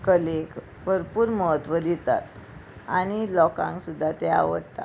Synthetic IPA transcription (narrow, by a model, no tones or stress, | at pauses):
kəlek | bʱəɾpuːɾməɦət̪ʋəd̪it̪a̰t̪aɽ̃ilɔkã̰ŋksud̪ʱːat̪ea̰ʋəɽt̪a̰